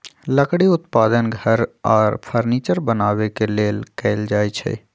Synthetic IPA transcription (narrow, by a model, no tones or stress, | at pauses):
ləkɽiʊt̪paːd̪ənɡʱəɾɔːɾpʰəɾniːt͡ʃəɾbənaːwekeleːlkɛːld͡ʒaːet͡ʃʰɛ̰ː